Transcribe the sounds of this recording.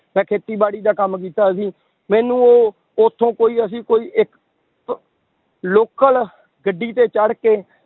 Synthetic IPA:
mɛ̃ːkʰeːt̪iːbaːɽiːd̪aːkəmkiːt̪aːsiː | mɛ̃ːnũːoː | ʊt̪ʰːõːkoːiːəs̬ĩːkoːiːʔɪk | loːkəl | ɡəɖːiːt̪eːt͡ʃəɽkeː

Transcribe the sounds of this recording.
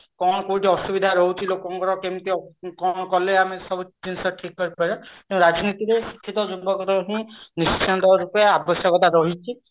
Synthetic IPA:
kɔnkotiɔsubid̪ʱaɾɔɦutʰilokɔŋkɔɾɔkemt̪ikɔnkɔleamisɔbud͡ʒinsɔʈʰikːɔɹipaɾɛkɛ̃ʊ̃ɹad͡ʒnit̪iɾexi̥kʰːit̪ɔd͡ʒubɔkɔt̪aɦĩnist͡ʃʰant̪ɔɹupaabɔsakɔt̪aɾɔɦit͡ʃʰi

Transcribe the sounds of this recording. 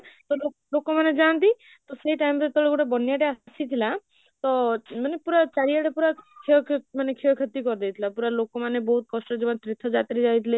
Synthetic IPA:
t̪ɔlo | lokomaned͡ʒant̪i | t̪ɔseɦiʈajmɾet̪ɔɭekuʈabɔnjaʈeasit̪ʰila | t̪ɔmanepuɾat͡ʃaɾijaʈepuɾakʰiɔkmanekʰiɔkʰət̪ikɔɾd̪ejt̪ʰilapuɾalokomanebɔɦut̪̚kɔsʈɔd͡ʒɔmat̪ɾit̪ʰːɔd͡ʒat̪ɾid͡ʒajt̪ʰile

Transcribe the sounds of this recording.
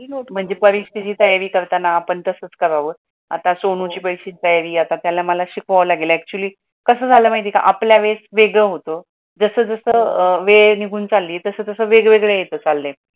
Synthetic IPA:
om̤əɳd͡zepəɾiʂt̪id͡ʑiːt̪əjaʋiːkəɾt̪anaapəɳt̪əsəːt͡skəɾaʋəː | a̰t̪asoɽ̃ũt͡ɕiːpəjɕet̪əjaʋiːat̪at̪jalaməlaɕikʰʋaʋlaɡelɛk̚t͡ɕuəliː | kəsəːd͡zʱaləmaɦit̪ika̰ʔapljaʋesʋeɡɭeɦot̪o | d͡zəsəːd͡zəsəːʋeniɡʱuːnt͡salːiːt̪əsəːt̪əsəːʋeɡʋeɡɭejet̪əːt͡salːe

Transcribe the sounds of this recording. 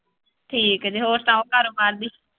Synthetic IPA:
ʈʰiːkd͡ʒiɦoːɾt̪ãːõːkəɾupaɾd̪iː

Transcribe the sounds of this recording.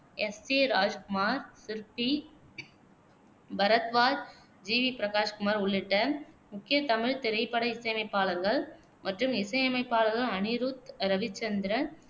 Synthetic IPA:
ɛseːɾaːd͡ʒkʊmaːɾsɪɾpi | bɐɾɐt̪ʋaːɾ | d͡ʒiːʋipɪɾɐkaːʂkʊmaːɾʊɭːɪʈːɐmʊkːɪjɐt̪ɐmɪɻt̪ɪɾɐɪpːɐɽɐɪsɐjɐmɐɪpːaːlɐŋɡɐɭ | mʔɐʈrɯmɪsɐjɐmɐɪpːaːlɐŋɡɐɭɐnɪɾuːt̪ɾɐʋɪt͡ʃːɐnd̪ɪɾɐ

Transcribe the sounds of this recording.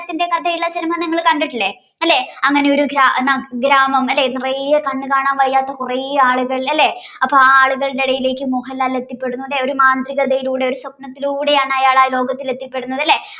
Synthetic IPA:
t̪ːinde̞kɐd̪ʱɐjiɭːɐsinɐmaːniŋːɐɭkɐɳɖiʈːilːe | ɐlːe̞ɐŋːɐne̞o̞ɾuɡɾaʔnːaɡɾaːmɐmɐlːe̞nirijɐkɐɳːɨkaːɳaːmʋɐjːaːt̪ːɐkurɐaːɭuɣɐɭɐlːe̞ | ɐpːoːaːɭuɣɐɭleɽɐjile̞ːkːɨmuɦɐlaːlet̪ːipːe̞ɽunːuɐlːeo̞ɾumaːnd̪riɣɐðɐjiluːɽe̞o̞ɾusokɳɐt̪ːiluːɽe̞jaːɳɐjaːɭaːlo̞ːɡɐt̪ːile̞t̪ːipːe̞ɽunːɐðɐlːe̞

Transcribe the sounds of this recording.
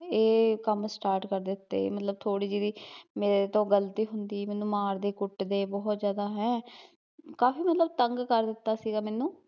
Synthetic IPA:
eːkəmsʈaːɾʈkəɾd̪ɪʊt̪ːḛːmət̪ləb̚t̪ʰoːɽiːd͡ʒid̪iːmeːɾet̪õːɡəlt̪iːɦʊnd̪iːmɛːnũːmaːɾd̪eːkʊʈːd̪eːbɔɦt̪zjaːd̪aːɦɛː | kaːfiːmət̪ləb̚t̪əŋɡkəɾd̪ɪt̪ːaːsiːɡaːmɛːnũː

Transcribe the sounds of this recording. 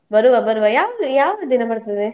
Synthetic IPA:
bɐɾuʋabɐɾuʋajaːʋɐd̪ujaːʋɐd̪inɐbɐɾt̪id̪e

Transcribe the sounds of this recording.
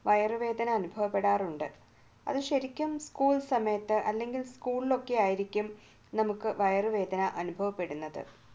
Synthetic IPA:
ʋɐjɐrɨʋe̞ːd̪ʱɐnɐːnubʱɐʋɐpːe̞ɽaːruɳɖɨ | ɐ̰ðɨɕɐɾikʲːumskuːɭsɐmɐjɐt̪ːɨʔɐlːe̞ŋɡilskuːɭilo̞kːe̞aːjiɾikʲːum | nɐmukːɨʋɐjɐrɨʋe̞ːd̪ʱɐnɐʔɐnubʱɐʋɐpːe̞ɽunːɐðɨ̰

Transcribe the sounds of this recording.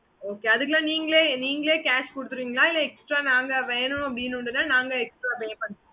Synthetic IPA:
oːkeːɐðɯk̬ːɐlãːniːŋɡɐɭeːniːŋɡɐɭeːkaːʂkɔɽɯt̪ːɯɾiːŋɡɐɭaːɪlːɐɛksʈɾaːnaːŋɡɐʋeːnʊ̃ɐpɐɽɪnʊɳɖɯnːaːnaːŋɡɐɛksʈɾaːbeːpɐɳ

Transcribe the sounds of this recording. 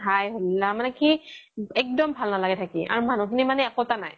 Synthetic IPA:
ajɦolːamanɛkiɛk̚dɔmbʱalnalaɡɛtʰakḭʔa̰ɹumanukʰinimanɛakotanaj

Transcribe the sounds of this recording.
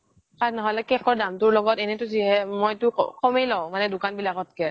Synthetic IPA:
kanɔɦɔlɛkɛkɔɹdamtʊɹlɔɡɔtɛnɛtʊziɦɛmojtʊ̰kɔmejlɔʊ̃manɛdʊkanbilaɡɔt̚kɛ

